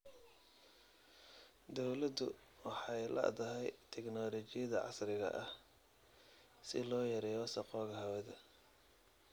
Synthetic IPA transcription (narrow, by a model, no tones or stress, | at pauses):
d̪ɔwlɐd̪ʊ | wɑħɑjlɐ̰ʔd̪ɐɦɛjt̪ʰɛknɔːlɔt͡ʃɪjɐðɐʕɑ̰srɪɣɐ̰ʔɐh | sɪlɔːjɐɾɛːjɔsɐqɔːɣɐɦɐwɛðɐ